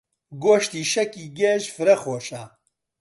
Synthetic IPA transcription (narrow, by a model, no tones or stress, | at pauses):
ɡoːʃt̪iːʃɐkiːɡɛʃfɨɾɐxoːʃa